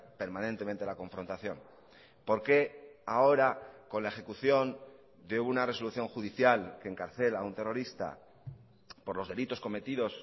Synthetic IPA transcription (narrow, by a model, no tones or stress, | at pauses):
pe̞ɾmãne̞nt̪ement̪elako̞ɱfɾo̞nt̪aθjo̞n | po̞ɾke̞ao̞ɾako̞nlae̞xe̞kuθjo̞n | d̪eunare̞so̞luθjo̞ŋxuðiθjalke̞ːŋkaɾθe̞launt̪e̞ro̞ɾist̪a̰ | po̞ɾlo̞zðe̞lit̪o̞sko̞me̞t̪iðo̞s